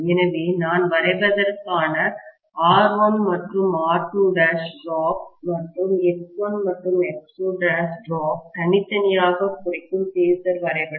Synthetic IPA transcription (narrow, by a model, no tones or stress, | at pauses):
ɛnɐʋinaːnʋɐɾɐɪbɐðɐɾkːaːnɐ | aːɾʋonmɐʈrɯmaːʈuɖaːsɖɾoːk̚mɐʈrɯmɛkpɐnmɐʈrɯmɛksoːɖaːsɖɾoːk̚t̪ɐɳɪt̪ːɐnɪjaːɣɐkʊrɐɪkːɯmt̪iːsɐɾʋɐɾɐɪpɐ